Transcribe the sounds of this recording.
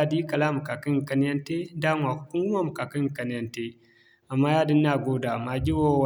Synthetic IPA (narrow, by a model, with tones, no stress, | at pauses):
a˦˨di˦i˦ka˨la˦mu˨ka˨ki˦˨ka˦n˦ja˦nte˦da˦ŋʷ˨a˨ku̥˦ku˦wu˦ma˦mu˨ka˨ki˦˨ka˨n˦ja˦nte˦ | a˨mːa˦ja˦di˦nː˦a˦˨ɡo˦da˨ma˨d͡ʒi˦wo˦˨w